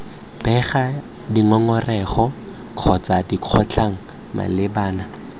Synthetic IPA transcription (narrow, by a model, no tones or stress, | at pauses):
bɛχa | diŋɔŋɔrɛχɔ | kʰɔt͡sadiq͡χʰɔt͡ɬʰaŋ̩ | ma̰lɪbaːna